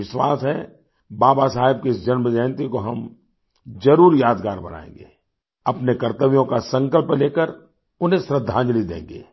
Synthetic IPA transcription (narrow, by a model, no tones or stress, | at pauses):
ɪʃwa̰ːsɦɛ̰̃ | baːbasaːɦɪb̚keɪsd͡ʒɐnməd͡ʒaːnt̪ikoɦɐm | zɐɾuːɾjaːd̪ɡaːɾbɐna̰ːḛ̃ːŋɡḛː | ɐpnekɐɾt̪əʋijõkasɐ̃ŋkəlpleːkəɾ | ʊn̤ẽsɾəd̪ʱːãːd͡ʒlid̪ḛ̃ːŋɡḛː